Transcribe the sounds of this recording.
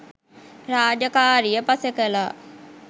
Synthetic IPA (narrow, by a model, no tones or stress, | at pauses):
ɾaːd͡ʒəkaːɾijəpasəkəlaː